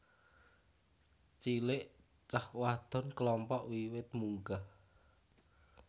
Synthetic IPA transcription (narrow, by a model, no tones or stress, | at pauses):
t͡ʃilɪʔ | t͡ʃahwad̪̥ɔ̤nklɔmpɔʔwiwɪt̪̚muŋɡah